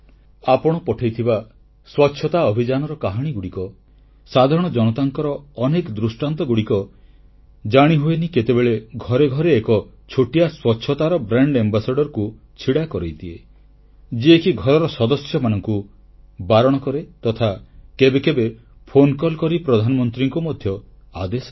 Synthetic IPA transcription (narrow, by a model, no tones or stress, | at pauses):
apɔɽ̃ɔpɔʈʰajt̪ʰiba | swɔtːʃʰɔt̪aɔbʱid͡ʒanɔɾɔkaɦaɽ̃iɡuɽikɔ | sad̪ʱaɾɔɽ̃ɔd͡ʒɔnɔt̪aŋkɔɾɔːnekɔd̪ɾusʈant̪ɔɡuɽikɔ | d͡ʒaɽ̃iɦueniket̪ebeɭeɡʱɔɾeɡʱɔɾeːkɔt͡ʃʰoʈijaswɔtːʃʰɔt̪aɾɔbɾaɳɖembasaɖɔɾɔku | t͡ʃʰiɽakɔɾejt̪ʰie | d͡ʒiekiɡʱɔɾɔɾɔsɔd̪ɔsjɔmanɔŋku | baɾɔɽ̃ɔkɔɾet̪ɔt̪ʰakebekebe | pʰonkɔlkɔɾipɾɔd̪ʱanɔmɔnt̪ɾiŋkumɔd̪ʱjɔ | a̰d̪esɔ